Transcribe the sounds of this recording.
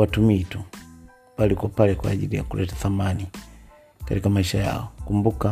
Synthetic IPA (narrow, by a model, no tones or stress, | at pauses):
watumitu | palikwɔpalɛkwa̰ːʄḭlija̰kulʔɛtḁθamani | katikamaiʃaja̰ɔkumbuka